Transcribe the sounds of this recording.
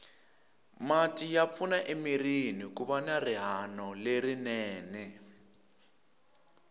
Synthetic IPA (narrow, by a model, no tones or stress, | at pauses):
matʼijap̪fʰunaʔemirinik̬uβanariɦanɔlerinɛːnɛ